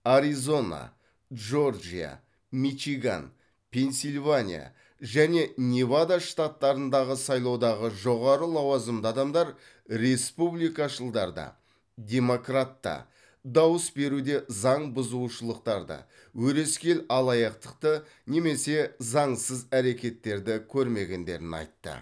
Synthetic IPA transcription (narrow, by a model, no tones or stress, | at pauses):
aɾizo̞na̰ | ʒo̞rʒḭja̰ | miʃiɡa̰n | pʰʲe̞nsilʲvanʲḭja̰ | ʒæne̞nʲevad̪aʃt̪at̪ːɑɾənd̪ɑʁəsɑjlˠɑwd̪ɑʁəʒo̞ʁɑɾəlˠɑwɑzəmd̪əɑd̪ɑmd̪ɑɾ | ɾe̞spublijkɑʃəlˠd̪ɑɾd̪ɑ̰ | d̪ʲe̞mo̞krat̪ːɑ̰ | d̪ɑwəsbe̞ɾud̪e̞zɑɴbʊzuʃəlˠəqt̪ɑɾd̪ɑ̰ | wɵɾe̞skʲe̞lɑlˠɑjɑqt̪ə̥qt̪ə | ne̞me̞se̞zɑɴsəzæɾe̞kʲe̞t̪ːe̞ɾd̪ɪkʲʰɵɾme̞ɡʲe̞nd̪e̞̰ɾɪnɑ̰jt̪ːə̰